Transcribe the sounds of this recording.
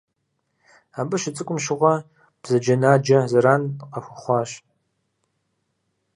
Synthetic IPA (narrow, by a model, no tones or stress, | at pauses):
aːbɨʃɪt͡sʼɨkʷʼʊmʃɪʁʷɐ | b̥zɐd͡ʒɐnaːd͡ʒɐzɐɾaːnqɐxʷʊχʷɑːɕ